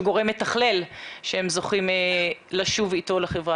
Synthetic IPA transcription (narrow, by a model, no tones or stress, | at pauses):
ɡo̞ʁemlet̪aχlelʃehemzo̞χimelaʃuvit̪o̞leχevʁa